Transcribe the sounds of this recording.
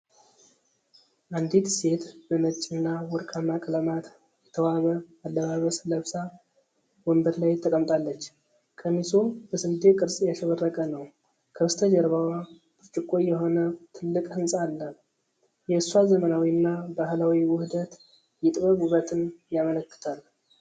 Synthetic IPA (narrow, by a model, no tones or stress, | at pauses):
ʔand̪it̪se̞t̪b̥əmət͡ʃʼːɪnːawɔɾkʼamːakʼələmat̪ | jɛt̪ʰəwaβəalːəβaβəsləβsa | wəmbəɾlajt̪ʰəkʼəmt̪ʼalːət͡ʃː | kʰəmisumb̥əsɨnd̪ekʼɨɾsʼjaʃəβərːəkʼənəw | kʰəst̪ʰəd͡ʒəɾβawa | b̥ɨt͡ʃʼɨkʼːojɛɦo̞nət̪ʰɨlːɨkʼhɨnsʼalːə | jɛɨswazəmənawinːabahlawiwʊhɨd̪ət̪ | jɪt̪ʼβəɡuβət̪ʰɨnjamələkːɨ̥t̪ʰal